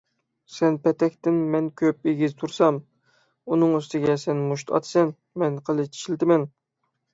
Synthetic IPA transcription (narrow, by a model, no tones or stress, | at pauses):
sɛnpʰɛt̪ɛkʲt̪ɪnmɛnkʲʰøpeɡʲizt̪ʰuɾsɑm | unɨŋyst̪ɪɡʲɛsɛnmuʃt̪ʰɑ̰t̪ʰsɛn | mɛnqʰəlˠɨt͡ʃʰi̥ʃilt̪ɪmɛn